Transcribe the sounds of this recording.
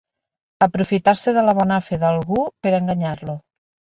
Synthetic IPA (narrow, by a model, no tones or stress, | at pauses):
əpɾufit̪aɾseðəlaβ̞ɔnafeðalˠɣupeɾəŋɡaɲaɾlu